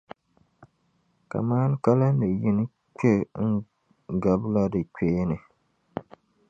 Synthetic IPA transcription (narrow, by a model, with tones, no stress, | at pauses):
ka̰˨maː˦n˦ka˦la˦ɨ˨ji˦nɨ˦ | k͡pɛ˦ŋ̩˦ | ɡa˨bla˦dɨ˨k͡peː˦nɨ˨